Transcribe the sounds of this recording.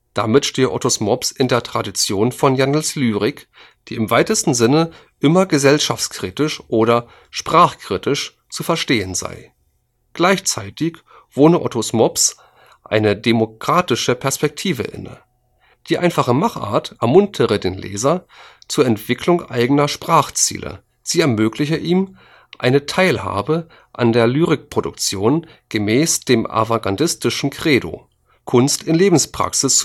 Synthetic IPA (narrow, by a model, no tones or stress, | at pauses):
d̥amɪtʃteːəʔɔ̰tosmɔpsɪndeːɐtʁ̥adit͡sjoːnfɔnjanəlslyːʁɪk | d̥iːɪmvaɪtəstn̩zɪnə | ʔɪmɐɡəzɛlʃaft͡skʁ̥iːtɪʃʔoːɾɐ | ʃpʁ̥aːχkʁ̥itɪʃ | t͡sufɛɐʃteːənza̰ɪ | ɡ̥laɪçt͡saɪtɪç | v̥oːnəʔɔ̰tʰosmɔps | ʔa̰ɪnədemokʁ̥aːtɪʃəpʰɛɐspɛk̚tʰiːvə̰ʔɪ̰nə̰ | d̥iːʔa̰ɪnfaχəmaχʔa̰ːɐtʔɛɐmʊntʰəʁədeːnlḛːzɐt͡suːɐɛntv̥ɪkʰlʊŋʔa̰ɪɡənɐʃpʁ̥aːχt͡sḭːlʔə̰ | z̥iːɛɐmøːklɪçəʔiːm | ʔa̰ɪnətʰaɪlha̰ːbə | ʔa̰ndeːɐlyːʁɪk̚pʁ̥odʊ̰k̚t͡sjoːn | ɡ̥əmɛːsd̥eːma̰vaɡandɪstɪʃn̩kʁ̥eːdo̰ː | kʰʊnstɪnleːbm̩spʁ̥a̰ksɪs